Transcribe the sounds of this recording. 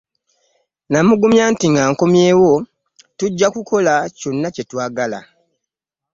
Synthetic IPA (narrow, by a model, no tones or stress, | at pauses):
namuɡumjaːntiŋɡaːŋko̞mje̞ːwo̞ | tuɟːakukʰo̞laco̞nːace̞twaːɡala̰